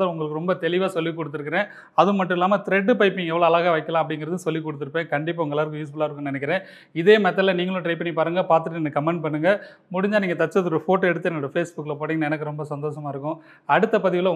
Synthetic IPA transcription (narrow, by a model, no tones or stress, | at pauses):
ɐʊŋɡɐɭɯkːɯɾɔmbɐt̪ɛɭɪʋaːsɔlːikːɔɽɯt̪ːɯɾɯkːɪɾẽː | ɐðɯmɐʈːɯɪlːaːmɐt̪ɪɾɛɖːɯpɐɪpːɪ̃ŋɡɛʋɐɭoːɐlaːɣaʋɐɪkːɐlãːɐpːɐɽɪŋɡɪɾɐðɯsɔlːikːɔɽɯt̪ːɯɾɯpːẽːkɐɳɖɪpːaːʊŋɡɐɛlːaːɾɯkːʊ̃jiːs̬bɐlaːɪɾɯkːɯ̃nɪnɛk̬ʲːɪɾẽː | ɪðeːmɛt̪̬ːɐlɐniːŋɡɐɭʊ̃ʈɾɐɪpɐɳːipaːɾɯŋɡɐpaːɾt̪ɯʈːɛnːɐkɐmɛɳɖ̚pɐɳːɯŋɡɐ | mʊɽɪɲd͡ʒaːniːŋɡɐt̪ɐʈt͡ʃːɐðɯɔɾɯfoːʈːɛɽɯt̪ːɐɛnːɐɽɐfeːsbʊkːlɐpoːʈːiːŋɡɐnɛnɐk̬ːɯɾɔmbɐsɐnd̪oːʂɐmaːɪɾɯkːʊ̃ | ɐɽɯt̪ːɐpɐðɪʋɪlɐ